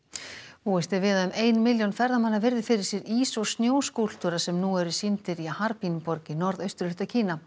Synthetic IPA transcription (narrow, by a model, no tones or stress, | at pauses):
uːɛst̪ɪvɪːðaðʏmeːjnmɪljownfɛɾðamanːaɾvɪɾðɪfɪɾɪɾ̥sjɛɾiːsɔst̪njoːwskul̥t̪ʏɾasɛmnuɛɾʏsint̪ɪɾiahaɾpinpɔɾcɪnɔɾðœɥst̪ʏɾlʏht̪acʰiːna